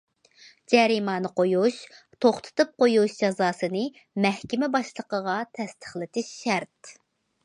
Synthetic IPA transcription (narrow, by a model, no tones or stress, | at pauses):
d͡ʒɛɾimɑːnɨqʰojuʃ | t̪ʰoχt̪ʰɨ̥t̪ɨp̚qojuʃd͡ʒɑzɑːsɨnɨ | mɛhkʲɪmɛbɑʃlˠəqəʁɑt̪ʰɛst̪ʰə̥χlˠɨt̪ʰɪʃːæɾt̪